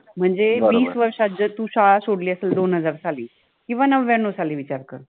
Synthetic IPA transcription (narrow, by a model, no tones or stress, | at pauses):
m̤əɳd͡zeʋiːsʋəɾʂad͡ʑət̪uːɕaɭasoɽliːəseld̪onɦəd͡zaɾt͡sʰaliː | kĩw̃ʋanəʋʋɛnosaliːʋit͡ɕaɾkəɾ